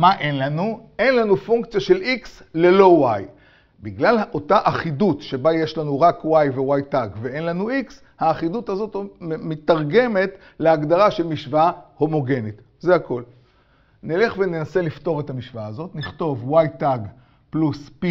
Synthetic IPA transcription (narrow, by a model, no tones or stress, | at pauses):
maʔe̞nlanue̞nlanufuŋkt͡sjaʃe̞lʔiks | le̞lo̞waj | biɡlalʔo̞taʔaχidutʃe̞baje̞ʃlanuʁakwajve̞wajtaɡvee̞nlanuiks | haːχidutazo̞tmit̪aʁɡe̞me̞t | leaɡd̪aʁaʃelmiʃvaaho̞mo̞ɡe̞nit | zeako̞l | nile̞χve̞nenase̞lifto̞ʁetamiʃvaːzotniχto̞vwajtaɡ | pluspi